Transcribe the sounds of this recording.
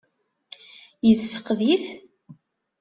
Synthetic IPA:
jəzfəqðiθ

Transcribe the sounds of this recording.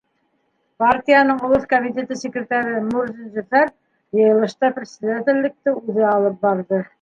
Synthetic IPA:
part̪ʲijanɤɴŏlˠoθkomʲit̪ʲe̞t̪ɘsʲɪkrʲɪt̪ɑɾɘmuɾzinʒæfæɾ | jɤ̆jɤ̆lˠɤ̆ʃt̪ɑprʲɪsʲɪd̪at̪ʲɪ̆lːɘ̆k̚t̪ɘʉðɘɑlˠɤp̚bɑɾðɤ

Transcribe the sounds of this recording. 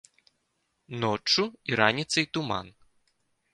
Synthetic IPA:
nɔt͡ʂːuiɾanʲit̪sɐjt̪uma̰n

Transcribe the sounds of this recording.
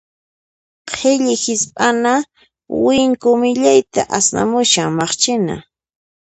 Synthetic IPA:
qʰeʎɪhɪspʼana | wɪŋkʊmɪʎajt̪aʔasna̰mʊʃaŋmɑχt͡ʃɪna̰

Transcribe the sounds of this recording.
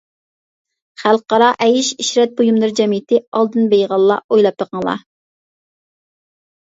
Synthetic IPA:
χælˠqɑɾɑʔɛjiʃiʃɾɛt̪̚bojumlˠɨɾd͡ʒɛmɪt̪ʰɪɑlˠd̪ɨnbejʁɑlˠːɑ̰ojlˠɑpːəqʰəŋlˠɑ̰

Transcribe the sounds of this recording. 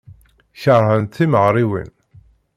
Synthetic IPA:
çəɾˤhənt̪ːiməʁɾiwḭn

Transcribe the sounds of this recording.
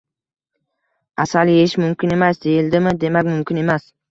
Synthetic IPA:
asaljeɪʃmʊmkʲɪne̞masd̪e̞jɪld̪ɪmɪd̪e̞makʲmʊmkʲɪne̞mas

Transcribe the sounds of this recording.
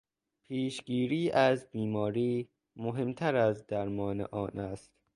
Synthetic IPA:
pʰiːʃɡiːɾiːʔæzbiːmɒːɾiː | moɦe̞mt̪ʰæɾæzd̪æɾmɒːnḛʔɒːnʔæst̪

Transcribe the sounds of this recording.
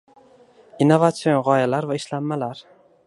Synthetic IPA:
inːovat̪sio̞nʁɒjalaɾvaɪʃlamːalaɾ

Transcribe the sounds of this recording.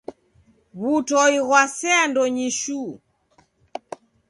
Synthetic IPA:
βutɔiɣwasɛandɔɲiʃu

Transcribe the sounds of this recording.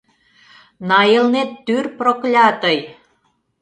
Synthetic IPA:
nɑjelnet̪ːyrproklʲɑt̪əj

